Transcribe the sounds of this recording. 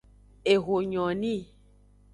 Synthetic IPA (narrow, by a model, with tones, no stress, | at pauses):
e˨ɣo˨ɲɔ̃˨nĩ˦